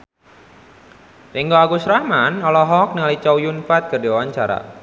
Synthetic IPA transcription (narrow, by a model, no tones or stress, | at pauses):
riŋɡɔaɡusɾahmanɔlɔɦɔk̚nəŋalit͡ʃawjunfat̪̚kərdiwawaɲt͡ʃaɾa̰